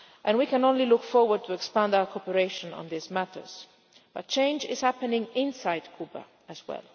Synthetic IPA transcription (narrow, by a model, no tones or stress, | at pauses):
ʔɛ̃nwikɛ̃nõnlilʊkfɔɹwəd̚t̪ʰuɛkspãndawəɹkʰɔpəɹeʃə̃nɔ̰̃nd̪izmætə̰˞z̥ | b̥ʌt̚t͡ʃẽɪ̃nd͡ʒɪ̰z̥hæpənɪ̃ŋɪ̃nsajdkʰubə̰ | əzwɛ̰lˠ